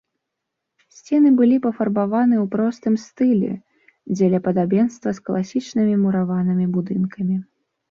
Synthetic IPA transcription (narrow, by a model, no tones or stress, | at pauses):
sʲt͡sʲɛnɨbɨlʲipɐfɐrbavanɨwpɾɔst̪ɨmst̪ɨlʲɛ̰ | d͡zʲɛlʲapɐd̪abʲɛnst̪vɐsklˠasʲit͡ʂnɨmʲimuɾavanɨmʲibud̪ɨnkʰɐmʲi